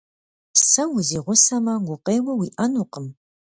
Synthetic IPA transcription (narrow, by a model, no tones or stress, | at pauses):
sɐwʊziːʁʷʊsɐmɐŋɡʷʊqeːwɐwiːʔɐnuːqəm